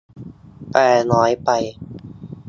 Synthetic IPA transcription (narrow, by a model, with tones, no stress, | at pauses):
pɛː˨˩nɔː˨˦˥jpa˧j